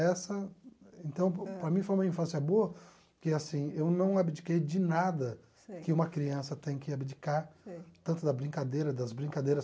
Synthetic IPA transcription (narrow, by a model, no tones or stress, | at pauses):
ɛsɐẽnt̪ɐ̃w̃pɾɐmĩfojũmɐĩfɐ̃siɐboɐ | kɪɛasĩewnɐ̃w̃abed͡ʒikejd͡ʒɪnad̪ɐ | kɪũmɐkɾiɐ̃sɐt̪ẽj̃kɪabed͡ʒikaɾt̪ɐ̃nt̪ʊd̪ɐbɾĩkad̪ejɾɐd̪ɐzbɾĩŋkad̪ejɾɐs